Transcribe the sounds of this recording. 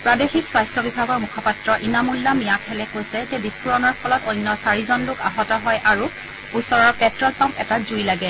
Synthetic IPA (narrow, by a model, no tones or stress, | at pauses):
pɹadexikswajstʰɔbibʱaɡɔɹmukʰɔpatɹɔʔinamulːamijakʰɛlɛkojsɛzɛbiskuɹɔnɔɹpʰɔlɔtojnːɔsaɹizɔnlʊkaɦɔtɔɦɔjʔaɹu | usɔɹɔɹpɛtɹɔlpampɛtazujlaɡɛ